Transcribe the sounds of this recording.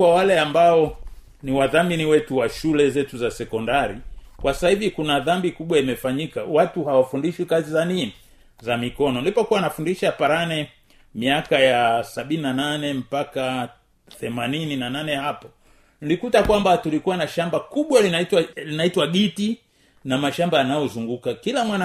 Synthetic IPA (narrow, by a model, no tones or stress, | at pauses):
wawalɛambaɔ | niwaðaminiwɛtuwaʃulɛzɛtuzasɛkɔndaɾikwasḁsahivikunaðambikuɓwaimɛfaɲika̰watuhawafundiʃwikazizanini | zamikɔnɔnilipɔkuwanafundiʃapaɾanɛ | miakajasaɓininananɛm̩paka | θɛmanininananɛhapɔ | nilikutakwambatulikuwanaʃambakuɓwalinatlinaitwaɠiti | namaʃambaanajɔzuŋɡukakilamwana